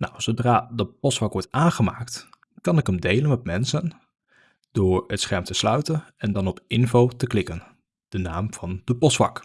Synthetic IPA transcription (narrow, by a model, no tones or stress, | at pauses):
na̰wsowdraːdəpɔsʋɑkʋɔɹtaːnχəmaːkt | kɑnɪkəmdejlənmɛt̚mɛnsən | d̥ʊːɹətsχɛɹmtəslœɥtənɛndɑnɔpɪnvowtəklɪkən | d̥ənaːmv̥ɑndəpɔsʋɑ̰k